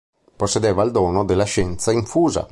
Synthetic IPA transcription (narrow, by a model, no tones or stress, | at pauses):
posːed̪eːvald̪ɔːnod̪elːaʃɛnt̪saiɱfuːza̰